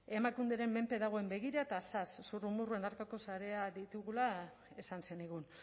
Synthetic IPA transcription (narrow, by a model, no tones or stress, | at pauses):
e̞makund̪eɾe̞mːe̞mpe̞ðaɣ̞o̞e̞mbe̞ɣ̞iɾaet̪asasːurumuruenaɾkako̞saɾe̞aðit̪uɣula | e̞sanse̞niɣ̞un